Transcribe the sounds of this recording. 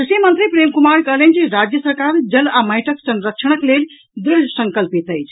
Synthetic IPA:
isimənt̪ɾipɾemkumaɾkəɦlənt͡ʃiɾad͡ʒjəsəɾkaɾd͡ʒəlaməjʈʰəksənɾək̚t͡ʃʰəɽ̃əklel | d̪ɾisəsəŋkəlpit̪əjt͡ʃʰ

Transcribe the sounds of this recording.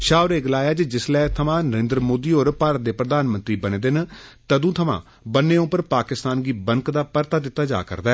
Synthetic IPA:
ʃaːʊɾeːɡəlaːjaːd͡ʒd͡ʒɪslɛːt̪ʰəmãːnəɾẽːnd̪ɾəmoːd̪iːɦoːɾpaːɾət̪̚d̪eːpɾəd̪aːnmə̃nt̪ɾiːbəneːd̪ɪnt̪əd̪ũːt̪ʰəmã̰ː | bənːẽːʊpːəɾpaːkɪst̪aːnɡiːbəŋkd̪aːpəɾt̪aːd̪ɪt̪ːaːd͡ʒa̰ːkə̰ɾd̪aɛ

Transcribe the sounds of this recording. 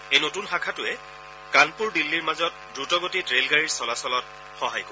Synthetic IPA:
ejnotunxakʰatʊɛ | kanpuɹdilːiɹmazɔt̚dɹutɔɡotitɹelɡaɹiɹsɔlasɔlɔt̚ | xɔɦajkɔ

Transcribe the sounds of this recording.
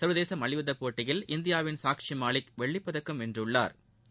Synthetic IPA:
sɐɾʋɐðeːsɐmɐɭɪʋɯðɐpoːʈːɪjɪlʔɪnd̪ɪjaːʋɪnsaːkʂimaːɭɪkʋɛɭːɪpːɐðɐkːɯmɛndrɯɭːa̰ːɾ

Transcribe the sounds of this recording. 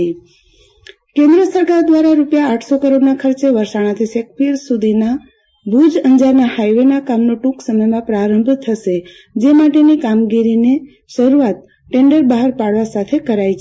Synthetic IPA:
i | kẽnd̪ɾəsəɾkaɾd̪ʋaɾaɾupjaːʈʰsokəɾoɖnakʰəɾt͡ʃeʋəɾʃaɽ̃ãt̪ʰisek̚piɾsud̪ʱina | bʱud͡ʒəɲd͡ʒaɾnahajʋenakamnoʈuksəməjmãpɾaɾəmbʱt̪ʰəʃe | d͡ʒemaʈenikamɡiɾine | ʃəɾuat̪̚ | ʈeɳɖəɾbaɦaɾpaɽʋasat̪ʰekəɾajt͡ʃʰ

